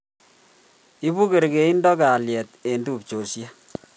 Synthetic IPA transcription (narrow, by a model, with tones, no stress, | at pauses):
i˦bu˦ke˨ɾke˨i˦ndɔ˦ka˨ljɛ˨te˨ndu˦˨p̚t͡ʃo˨sja˦